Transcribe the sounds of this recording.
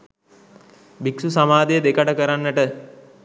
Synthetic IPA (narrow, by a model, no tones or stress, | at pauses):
biksusamaːd̪ejəd̪ekəʈəkəɾanːəʈə